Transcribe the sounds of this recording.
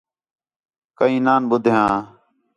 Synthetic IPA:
kəĩːnaːnɓʊd̪ʱjãː

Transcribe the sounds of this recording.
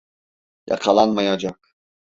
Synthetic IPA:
jɑ̰qʰɑlˠanmajad͡ʒaq̚

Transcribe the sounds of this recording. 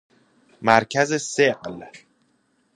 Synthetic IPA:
mæɾcʰæzeseɢl

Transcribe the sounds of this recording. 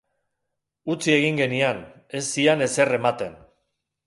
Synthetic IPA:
ut͡sie̞ɣ̞iŋɡe̞nian | e̞sːiane̞se̞re̞mat̪e̞n

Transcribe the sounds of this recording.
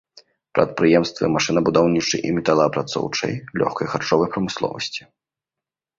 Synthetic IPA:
pɾɐt̪̚pɾɨjɛmst̪vɨ̰maʂɨnɐbud̪awnʲit͡ʂɨ̰jʔḭmʲɛt̪alˠɐpɾat̪sɔ̰wt͡ʂɐ̰jlʲɔ̰xkɐjxart͡ʂɔvɐjpɾɐmɨslˠɔ̰vɐsʲt͡sʲi̥

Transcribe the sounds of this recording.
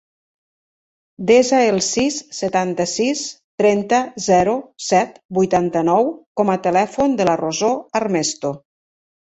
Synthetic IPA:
d̪ezaelˠsisːət̪ant̪əsis | t̪ɾɛnt̪əzɛɾusɛt̪bujt̪ant̪ənɔwkɔmət̪əlɛfund̪əlarozoarmɛst̪o

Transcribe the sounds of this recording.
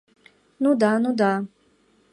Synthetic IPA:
nũd̪anũd̪a

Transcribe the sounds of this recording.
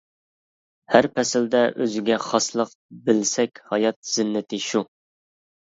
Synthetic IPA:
hæɾpʰɛsɪld̪ɛʔøzɪɡʲɛχɑslˠəq | bɪlsɛkʲhɑjɑt̪̚z̥ɪnːɪt̪ʰɪʃu

